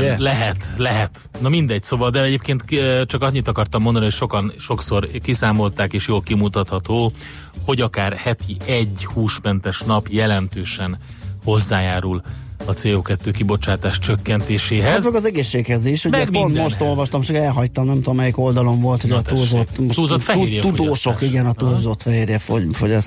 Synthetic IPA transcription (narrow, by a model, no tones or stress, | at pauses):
ɛlɛɦɛt̪lɛɦɛt̪ | nɒmind̪ɛɟ̚soːvɒld̪ɛɛɟeːp̚keːnt̪t͡ʃɒkɒɲːit̪ːɒkɒrt̪ɒmːo̞nd̪ɒniocʃo̞kɒnʃo̞kso̞rkisaːmo̞lt̪aːkeːʃjoːlkimut̪ɒt̪hɒt̪oː | ho̞ɟɒkaːrhɛt̪ʰiɛɟːhuːʃmɛnt̪ɛʃnɒpjɛlɛnt̪øːʃɛn | ho̞zːaːjaːɾulɒt̪seːoːkɛt̪ːøːkibo̞t͡ʃaːt̪aːʃt͡ʃøkːɛnt̪eːʃeːɦɛzt͡ʃɔkɒzɛɡeːʃːeːkhɛziʃumɛpnt̪mo̞ʃt̪o̞lvɒʃt̪ɒmt͡ʃɒkɛlɦɒct̪ɒmnɛmt̪omːɛjiko̞ld̪ɒlo̞ɱvo̞lt̪hoɟɒuːzot̪ːmouːzot̪fɛujɛt̪ud̪oːʃo̞kiɡɛnɒtt̪uːlzot̪fɛɦeːrjɛfofoɟɒs